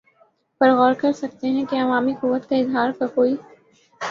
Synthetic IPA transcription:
pɐɾɣɔːɾkɐɾsɐk̚t̪eɦɛ̃keɐʋaːmikʊʋːət̪kaɪzɦaːɾkakoːi

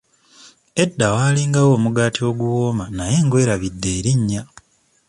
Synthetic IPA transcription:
e̞dːawaːliːŋɡawo̞ːmuɡaːtʰio̞ɡuwo̞ːmanaje̞ːŋɡwe̞ːɾaβidːe̞ːɾiɲːa

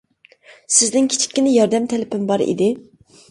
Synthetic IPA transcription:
sɪzd̪ɪŋkʲʰi̥t͡ʃʰi̥kʲːinɪjɑɾd̪ɛmt̪ʰɛlɪpʰɪmbɑɾḭd̪ɪ

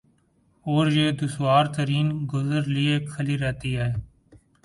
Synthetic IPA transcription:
oːɾjeːd̪ʊswaːɾt̪əɾiːnɡʊzəɾlɪeːkʰəliːɾɛːt̪iːɦɛː

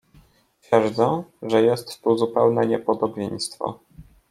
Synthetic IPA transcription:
t̪fʲjɛɾd̪zɛ̃ʐɛjɛst̪ːuzupɛwnɛɲɛpɔd̪ɔbʲjej̃st̪fɔ̰

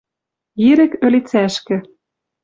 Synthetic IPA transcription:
jiɾɘ̆kølʲit͡sæʃkɘ̆

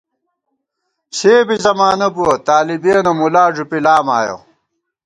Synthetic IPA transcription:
seːbizɐmaːnɐbuɐt̪aːlibeːnɐmulaːʐupilaːmaːjo̰

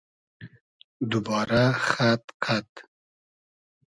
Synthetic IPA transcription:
d̪ʊbɑːɾaxat̪qʰat̪

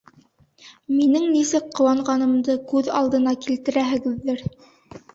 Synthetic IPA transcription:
minɘŋnisɘk̚qŏwɑɴʁɑnɤ̆md̪ɤkʉðɑ̰lˠd̪ɤ̆nɑkilt̪ɘ̆ɾæɦɘ̆ɡɘ̆ðːɘɾ

